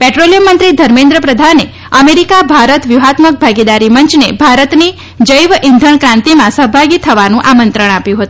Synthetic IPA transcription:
pɛʈɾolijəmːənt̪ɾid̪ʱəɾmẽnd̪ɾəpɾəd̪ʱane | əmeɾikabʱaɾət̪ʋjuɦat̪mək̚bʱaɡid̪aɾimənt͡ʃnebʱaɾət̪ni | d͡ʒəjʋʔind̪ʱəɳkɾãnt̪imãsəɦbʱaɡit̪ʰːəʋanũʔamənt̪ɾəɽ̃apjũɦət̪uũ

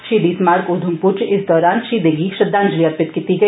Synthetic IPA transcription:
ʃiːd̪iːsmaːɾkoːd̪ʱumpʊɾt͡ʃɪsd̪ɔːɾaːnʃiːd̪eɡiʃɐd̪ːaːnd͡ʒliɐt̪̚pɪt̪kiːt̪iɡɐi

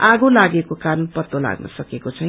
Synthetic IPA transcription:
aɡolaɡekokaɾʌnpʌt̪ola̰ɡnʌ̰sʌkekot͡sʰʌj̃

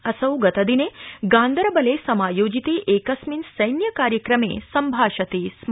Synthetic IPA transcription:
ɐsɐwɡɐt̪ɐd̪ineɡãːnd̪əɾbɐlesɐmaːjoːd͡ʒit̪iʔekɐsminsɐjnjɐkaːɾjəkɾɐmḛːsɐmbʱaːʃɐt̪iːs

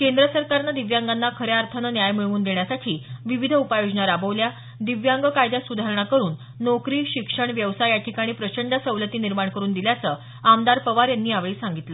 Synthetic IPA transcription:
kend̪ɾəsəɾkaɾnad̪iʋjaŋɡanːakʰəɾeaɾt̪ʰənənjajmiɭʋuːnd̪eɳ̃jasaʈʰiːʋiʋid̪ʱəupajod͡ʑɳaɾabəʋlja | d̪iʋjaŋɡəkajd̪jasud̪ʱaɾɳ̃akəɾuːnː | okɾiːɕikʂəɳʋjəʋsajjaʈʰikaɽ̃iːpɾət͡ɕəɳɖəsəʋlət̪iːniɾmaɳkəɾuːnd̪iljat͡səː | amd̪aɾpəʋaɾjanːiːaʋɭiːsaŋɡit̪lə

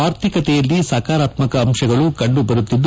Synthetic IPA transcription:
aːɾt̪ʰikɐt̪ɛjɐlːisɐːkaːɾaːt̪mɐkɐːmʃɐɡɐɭukɐɳɖubɐɾut̪ːid̪ː

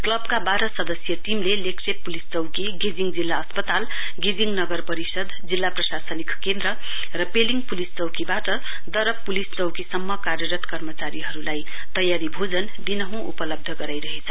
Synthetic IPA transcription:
klʌbkabaɾʌsʌd̪ʌsjʌʈimleleksʰeppːulist͡sʌwkiɡed͡ziŋd͡zilːaʌspʌt̪al | ɡed͡ziŋnʌɡʌrpʌɾisʌd̪d͡zilːaprʌsasʌnikkend̪ɾʌ | rʌpeliŋɡpulist͡sʌwkibaʈʌ | d̪ʌɾʌpːulist͡sʌwkisʌmːʌkarjʌɾʌt̪kʌrmʌt͡saɾiɦʌɾulaj | t̪ʌjaɾibʱod͡zʌnd̪inʌɦũʔṵpʌlʌb̚d̪ʱʌɡʌɾajɾʌɦet͡sʰʌ

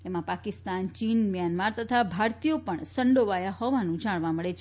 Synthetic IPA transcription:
t̪emãpakɪst̪ant͡ʃinmijanmaɾt̪ət̪ʰabʱaɾt̪ijopəɳsəɳɖoʋajahɔʋanũd͡ʒaɽ̃ʋãməɭet͡ʃʰ

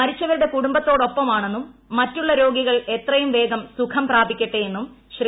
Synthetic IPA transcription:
mɐɾit͡ɕːɐʋɐɾuɽe̞kuɽumbɐt̪ːo̞ːɽo̞pːɐmaːɳe̞nːumːɐtːuɭːɐɾo̞ːɡiɣɐɭe̞t̪rɐjumʋe̞ːɡɐmsukʰɐmpraːbikʲːɐʈːejenːumɕr

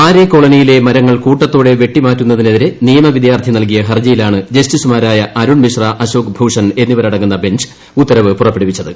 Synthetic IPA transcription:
aːɾekːo̞ɭɐnijile̞mɐɾɐŋːɐɭkuːʈːɐt̪ːoːɽe̞ʋje̞ʈːimaːtːunːɐðine̞ðiɾe̞nijɐmɐʋid̪jaːrt̪ʰinɐlk̬ijɐɦɐrd͡ʑɐjilaːɳɨd͡ʑɐstisumaːɾaːjɐɐɾuɳmiʂrɐʔɐɕoːkbʱuːʂɐne̞nːiʋɐɾɐɽɐŋːunːɐbe̞ɲd͡ʑɨ̥ | ut̪ːɐɾɐʋɨpurɐpːeɽipit͡ɕːɐðɨ

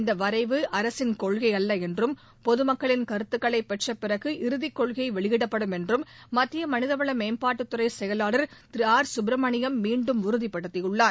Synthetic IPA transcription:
ɪnd̪ɐʋɐɾɐɪʋɯʔɐɾɐsɪnkɔɭɣɐɪɐlːɐɛndrɯm | pɔðɯmɐkːɐɭɪnkɐɾɯt̪ːɯkːɐɭɐɪpːɛʈrɐpːɪrɐɣɯʔɪɾɯðɪkːɔɭɣɐɪʋɛɭɪʋɪɽɐpːɐɽɯmɛndrɯmːɐt̪ːɪjɐmɐnɪðɐʋɐɭɐmeːmpaːʈːɯt̪ːɯɾɐɪsɛjɐlaːɭɐɾt̪ɪɾɪaːɾsʊbɾɐmɐɳɪjɐmːiːɳɖɯmʊɾɯðɪpːɐɽɯt̪ːɪjɯɭːaː

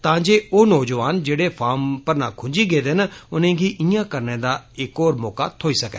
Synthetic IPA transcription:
t̪ãːd͡ʒeːoːnɔːd͡ʒʋaːnd͡ʒeːɽeːpʰaːmpəɾnãːkʰʊɲd͡ʒiːɡeːd̪enʊnẽːɡiːʔijãːkəɾnẽːd̪aːɪkoːɾmɔːka̰ːt̪ʰoːiːsəkɛ̰ː

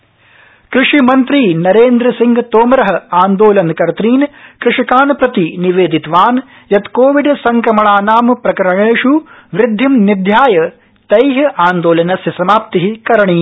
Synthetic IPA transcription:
kɾɪʂimɐnt̪ɾiːnɐɾeːnd̪ɾɐsiŋɡt̪oːmɾɐɦɐ̆aːnd̪oːlɐnkɐɾt̪ɾiːnkɾɪʂikaːnpɾɐt̪iniʋeːd̪it̪ʋaːn | jɐt̪koːʋiɖsɐŋkɾɐmɐɳaːnaːmpɾɐkɐɾɐɳeːʂuʋɾɪd̪ʱːimnid̪ʱjaːjɐ | t̪ɐjɦɐʔaːnd̪oːlɐnɐsɐsɐmaːp̚t̪iɦikɐɾɐɳiː

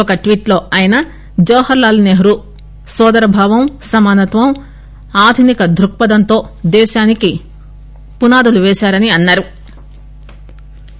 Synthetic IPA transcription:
ɔkɐʈʋiːʈlo̞ːɐjinɐ | d͡ʒɐːhɐɾlaːlneɦɾu | sɔːd̪ɐɾɐbʱaːʋɐmsɐmaːnɐt̪ʋɐm | aːd̪ʱunikɐd̪ʱɾuk̚pɐd̪ɐnt̪o̞ːd̪ɛːʃaːniki | punaːd̪uluʋɛːʃaːɾɐniɐnːaːɾu

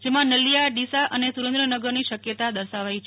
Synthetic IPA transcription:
d͡ʒemãnəlijaɖisaʔənesuɾẽnd̪ɾənəɡəɾniʃəkjət̪ad̪əɾʃaʋait͡ʃʰ

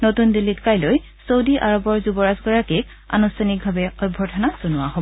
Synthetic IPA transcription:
notundilːitkajloj | sowdiʔaɹɔbɔɹzubɔɹasɡɔɹakik | a̰nustʰanik̚bʱabɛɔjbʱːɔtʰɔnaz̥onʊwaɦɔb

